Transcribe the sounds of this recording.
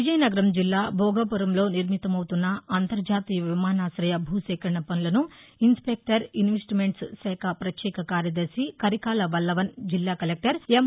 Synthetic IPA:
ʋid͡ʒɐjnɐɡɐɾɐmd͡ʒilːaːbʱɔːɡɐpuɾɐmlo̞ːniɾmit̪ɐmɐwut̪unːɐɐnt̪ɐɾd͡ʒaːt̪iːjɐʋimaːnaːsɾɐjɐbʱuːsɛːkɐɳɳɐpɐnulɐnuinspek̚ʈɐɾinʋesʈimeɳʈssɛːkʰɐpɾɐt̪jɛːkʰɐkaːɾjɐd̪ɐɾsikɐɾikaːlɐʋɐlːɐʋɐnd͡ʒilːaːkɐlek̚ʈɐɾem

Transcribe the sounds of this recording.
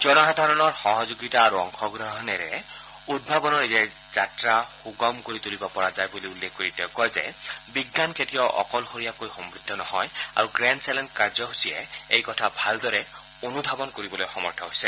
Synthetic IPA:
zɔnɔɦɛdʱaɹɔnɔɹxɔɦɔzoɡitaːɹuɔŋxɔɡɹɔɦɔnɛɹɛ̰ | ud̚bʱabɔnɔɹizɛ | z̥atɹaxuɡɔmkoɹitulibapɔɹazajbuliulːekkoɹitɛʊkɔjzɛ̰biɡnanketijɔʔɔ̰kɔlxoɹijakojxɔmbɹidʱːɔnɔhɔja̰ɹuɡɹɛnsɛlɛntkaɹzɔɦusijɛ̰ejkɔtʰabʱaldɔɹɛ | onudʱabɔnkoɹibɔlojxɔmɔɹtʰɔɦojsɛ

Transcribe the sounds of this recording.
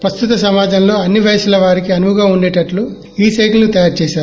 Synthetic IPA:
pɾɐst̪ut̪ɐsɐmaːd͡ʒɐmlo̞ːɐnːiʋɐjɐsulɐʋaːɾikiɐnuʋuɡaːunɖeːʈɐʈlu | iːsɐjʈlɐnut̪ɐjaːɾt͡ʃeːʃaːɾu

